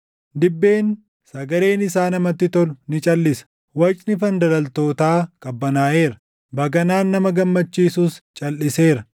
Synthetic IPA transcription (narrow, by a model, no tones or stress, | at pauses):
d̪ɪbːe̞ːn | sɐɡɐɾe̞ːnɪsaːnɐmɐt̪ːɪt̪ɔlnɪt͡ʃʼɐlːɪsɐ̥ | wɐt͡ʃʼnɪfɐnd̪ɐɾɐlt̪o̞ːt̪aːkʼɐbːɐnaːʔe̞ːɾɐ | bɐɡɐnaːnːɐmɐɡɐmːɐt͡ʃːiːsust͡ʃʼɐlːɪse̞ːɾɐ